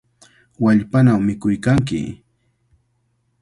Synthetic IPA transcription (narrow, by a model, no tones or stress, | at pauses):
waʎpanawmɪkʊjkaŋk̬ɪ̰